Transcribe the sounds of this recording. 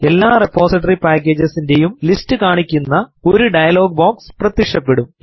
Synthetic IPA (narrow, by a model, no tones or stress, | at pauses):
e̞lːaːrepːo̞ːsiʈːɐripaːkːeːd͡ʑɐsinde̞jumlistɨkaːɳikʲːunːɐo̞ɾuɖɐjɐlo̞ːɡ̚boːksprɐt̪ːikʂɐpːe̞ɽum